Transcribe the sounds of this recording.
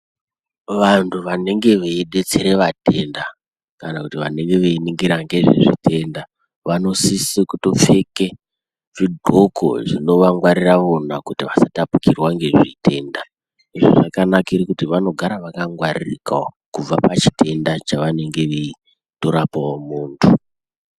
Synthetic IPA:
ʋantʰuʋane̞ŋɡe̞ʋeiɗe̞t͡se̞ɾe̞ʋatʰe̞nda | kanakutiʋa̰ne̞ŋɡe̞ʋeiniŋɡiɾaŋɡe̞ʐḭʐitʰe̞nda | ʋano̞sisikuto̞p͡fe̞ke | ʐ̥idʱokʰo̰ʐino̞ʋaŋɡwaɾiraʋonakutiʋasatapukirwaŋɡe̞ʐite̞ːnda | iʐo̰ʐakanakaiɾikutiʋano̞ɡʱaɾaʋakaŋɡwaririka | kub͡vapat͡ʃi̥tʰe̞ndat͡ʃaʋane̞ŋɡe̞ʋei | to̞ɾapaomuːntʰu

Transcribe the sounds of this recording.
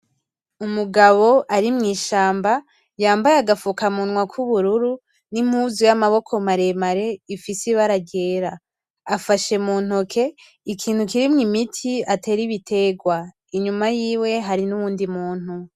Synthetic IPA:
umuɡaβo̞ʔaɾimŋiːʃaːmba | jaːmbajaɡafukamunŋwakʰuβuɾuɾu | nim̥huːzujamaβo̞kʰo̞maɾe̞maɾe̞ifisiβaɾaɡe̞ːɾa | afaʃe̞muːn̥hokʰe̞ | ikʰiːn̥hukiɾimŋimitʰiate̞ːɾiβitʰe̞ɡwa | iɲumajiːwe̞ɦaɾinuβuːndimuːn̥hu

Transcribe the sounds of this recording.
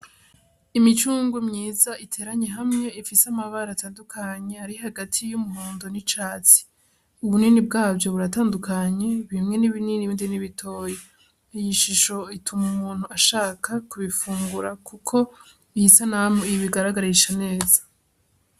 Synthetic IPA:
imit͡ʃuːŋɡumɲiːzaitʰe̞ːɾaɲe̞ɦamɲe̞ifisamaβaɾataːndukʰaɲe̞aɾiɦaɡatʰijumuɦoːndo̞nit͡ʃaːt͡si̥ | uβuninib̚ɡaːbjo̞βuɾataːndukaɲe̞βimŋe̞niβininiβiːndiniβitʰo̞ːje̞ | ijiʃiʃo̞itʰumumuːn̥huaʃaːkʰakuβifuːŋɡuɾakukʰo̞ | ihisanamuiβiɡaɾaɡaɾiʃane̞ːzḁ

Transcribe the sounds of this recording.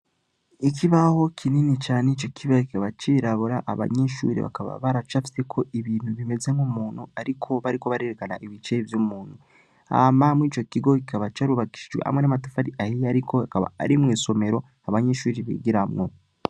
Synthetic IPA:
ikʰiβaho̞kʰininit͡ʃaːneit͡ʃo̞kʰiβaki̥kaβat͡ʃiɾaβuɾaʔa̰βa̰ɲeʃṵːɾḭβa̰kaβa̰βaɾat͡ʃafi̥se̞kʰo̞ʔiβiːnhuβime̞ze̞mumuːnhuaɾikʰo̞βaɾikoβaɾe̞ɾekanaʔiβit͡ʃeivjumuːn̥hu | a̰mamiːt͡ʃo̞kiɡo̞kikaβat͡ʃaɾuβaki̥ʃid͡ʒɡwḛha̰mwŋenamatufaɾiʔahijaɾiko̞akaβa̰a̰ɾimŋiːso̞me̞ɾo̞ | aβaɲeʃuːɾiβḭɡiɾamŋo

